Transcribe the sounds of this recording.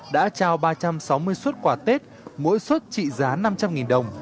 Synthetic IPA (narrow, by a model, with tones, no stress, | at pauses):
ɗa̰ː˧˥t͡ɕaː˧wɓaː˧t͡ɕa˧msa˨˦wmɨ˧əjswə˦˥t̚kwaː˧˩t̪e˦˥t̚ | mo̰˧˥jswə˦˥t̚t͡ɕḭ˧˨zaː˨˦na˧mt͡ɕa˧mŋi˨˩nɗə˨˩wŋ͡m